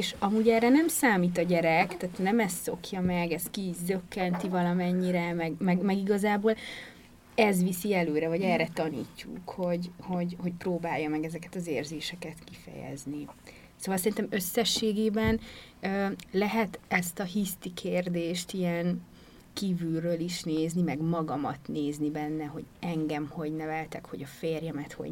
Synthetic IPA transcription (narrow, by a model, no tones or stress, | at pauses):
eːʃɒmuːɟɛːrɛnɛmsaːmiːt̪̬ɒɟɛɾɛkt̪aːt̪nɛmɛst̪so̞kjɒmɛɡɛst̪kidø̞kːɛnt̪ivɒlɒmɛɲːiɾɛmɛɡmɛɡmɛɡiɡɒzaːboːl | ɛzvisiɛløːɾɛvɒɟɛːrɛt̪ɒnḭːcːṵkho̞ɟho̞ɟho̞cproːbaːjːɒmɛɡɛzɛkɛt̪ɒzeːrzeːʃɛkɛt̪kifɛ̰jɛ̰zni | soːvɒlsɛɾint̪ɛmø̞sːɛʃːeːɡeːbɛnøːlɛɦɛt̪ɛst̪ɒɦist̪ikʰeːrd̪eːʃt̪ijɛŋ | kiːvylrøːliʃneːznimɛɡmɒɡɒmɒt̪neːznibɛnːɛɦo̞̰ɟɛŋɡɛmho̞ɟnɛvɛlt̪ɛkho̞ɟɒfeːrjɛmɛt̪ho̞̰ɟ